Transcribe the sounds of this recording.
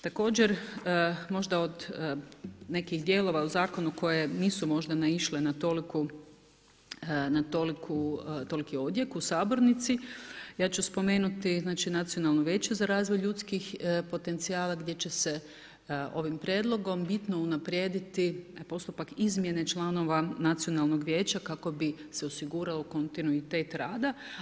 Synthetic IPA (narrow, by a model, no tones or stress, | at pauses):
t̪ako̞ːd͡ʑeɾ | mo̞ʒd̪ao̞d̪ | ne̞kixd̪je̞lˠo̞ʋauzaːko̞nuko̞je̞niːsumo̞ʒd̪anaiʃlenat̪o̞liku | nat̪olikʰut̪o̞likio̞d̪je̞kuusaːbo̞ɾnit̪sijaːt͡ʃuspo̞me̞ːnut̪iznaːt͡ʃinat̪sionalˠnuʋje̞ːt͡ɕuzaɾaːzʋo̞jʎut̪skixpo̞t̪e̞nt̪siaːlˠaɡd̪je̞t͡ɕe̞se̞ | o̞̰ʋimpɾʲje̞d̪lˠo̞ɡo̞mbit̪no̞unapɾje̞ːd̪it̪ipo̞st̪upakizmje̞ne̞t͡ʃlˠano̞ʋanat̪sio̞nalˠno̞ɡʋʲje̞ːt͡ɕakako̞biseo̞siɡuːɾaloko̞nt̪inuit̪e̞ːt̪ɾaːd̪a